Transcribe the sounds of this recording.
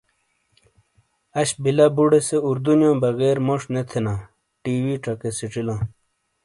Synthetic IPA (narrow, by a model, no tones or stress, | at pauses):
ɐɕbilɐbuɽeseuɾd̪unjõːbɐɣeːɾmoʂnet̪ʰenã | ʈiːwiʈ͡ʂɐkesiʈ͡ʂilãː